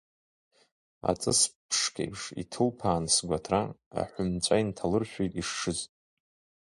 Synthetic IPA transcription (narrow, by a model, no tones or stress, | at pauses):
a̰t͡sʼɨspʰʂkʰḛjpʰʂḭtʰɨlpʰaːnsɡʷatʰraa̰ħʷʊmt͡ɕʷʼaintʰalɨrʃᶣejtʼiʂːɨzʼ